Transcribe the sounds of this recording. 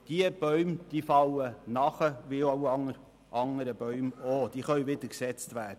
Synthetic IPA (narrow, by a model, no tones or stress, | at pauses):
d̥iəb̥œʏmd̪̥iːfɑwənɑχəʋioʊɑŋəɾ | ʔɑŋəɾəb̥œɥmoːd̥iːχœɥʋɪd̥̪əɾksɛt͡stvæːdə